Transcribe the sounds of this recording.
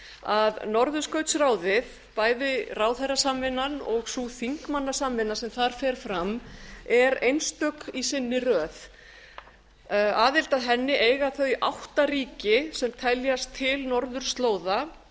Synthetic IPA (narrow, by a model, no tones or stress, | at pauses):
aðnɔɾðʏskœɥt̪sraːwðɪð | paːjðɪraːwθajrasaːmɪnanɔɣsuθiŋkmanːasaːmɪnasɛmθaɾ̥fɛɾ̥fɾamɛɾejnst̪œkisɪnːɪrœːθ | aːðɪlt̪aðɦɛnːɪʔeːjɣaθœðiʔawht̪ariːcɪsɛmt̪ʰɛljast̪ʰːɪlnɔɾðʏɾ̥st̪loːwða